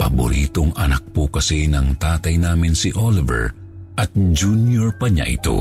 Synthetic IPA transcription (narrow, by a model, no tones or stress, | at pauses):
pɐ̰bʊ̰ɾiːt̪oŋɐnɐk̚pokɐsinɐŋt̪aːt̪ɐjnaːmɪnsiʔolɪvɛ̰ɹ | ʔɐt̪̚d͡ʒunjoɹpɐɲa̰ʔɪ̰t̪o̞̰